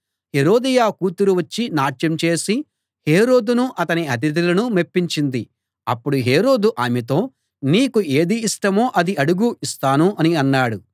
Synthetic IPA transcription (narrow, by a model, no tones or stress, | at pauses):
heɾo̞ːd̪ijaːkuːt̪uɾuʋɐt͡ʃːinaːʈjɐmt͡ʃe̞ːsi | he̞ːɾo̞ːd̪unuʔɐt̪ɐniɐt̪̬id̪̬ilɐnumepːiɲt͡ʃind̪i | ɐpːuɽuɦe̞ːɾo̞ːd̪uʔaːmet̪̬o̞ː | niːkue̞ːd̪iːʂʈɐmo̞ːʔɐd̪iɐɽuɡuist̪aːnuʔɐniɐnːaːɽu